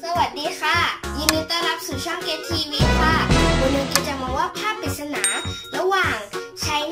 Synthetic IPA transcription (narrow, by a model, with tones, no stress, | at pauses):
sa˧wa˨˩t̪̚diː˨˦kʰa˧˥˩jɯː˧na˧jt̪a˧˥˨la˧˥˩p̚suː˨˩˦t͡ɕʰɔ˥˩˨ŋkeː˧t̪ʰiː˧wiː˧kʰaː˧˩doː˧˦lɤː˧jkiː˧˩t̪̚t͡ɕa˧˩mɔː˧˦waː˧˥˩pʰaː˥˩k̚pʰiː˨˩t̪̚sa˧na̰ː˩˦ɾa˧waː˨˩ŋ | t͡ɕʰa˦˥j